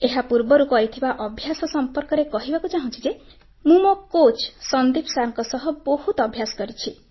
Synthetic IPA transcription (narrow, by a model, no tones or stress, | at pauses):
eɦapuɾbɔɾukɔɦit̪ʰibaʔɔbʱjasɔsɔmpɔɾkɔɾekɔɦibakut͡ʃaɦɔ̃nt͡ʃʰid͡ʒe | mũmɔkot͡ʃsʌnd̪ipsaɾɔŋkɔsɔɦɔbɔhut̪ɔbʱjasɔ̥kɔɾit͡ʃʰi